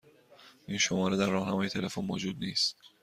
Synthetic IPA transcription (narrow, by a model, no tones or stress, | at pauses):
ʔiːnʃomɒːɾed̪æɾːɒːhnæmɒːje̞t̪ʰe̞le̞fonmo̰ːd͡ʒuːd̪̚niːst̪